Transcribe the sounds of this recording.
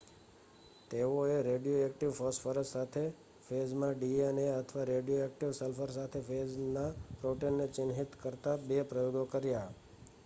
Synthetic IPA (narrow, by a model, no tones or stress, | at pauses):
t̪eoeɾeɖijoekʈiʋfəsʈfəɾəssat̪ʰe | fezmãɖiəneət̪ʰəʋaɾeɖijoek̚ʈiʋsəlfəɾsat̪ʰefʰeznapɾoʈenːet͡ʃɪnɦit̪kəɾt̪abepɾəjoɡokəɾja